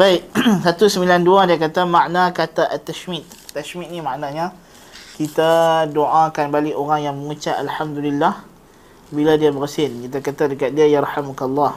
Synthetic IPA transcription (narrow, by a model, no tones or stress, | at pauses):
baɪt̚sat̪usəmilanduadiakat̪amãʔnãkat̪aʔat̪ːaʃmit̪̚ːaʃmit̪̚nimaʔnaɲã | kit̪adoʔãkanbaliʔoɾaŋjaŋməŋut͡ʃaʔalħamd̪ulilːah | biladiabəɾəsɪnkit̪akat̪adəkat̪̚diajaɾħamkalːah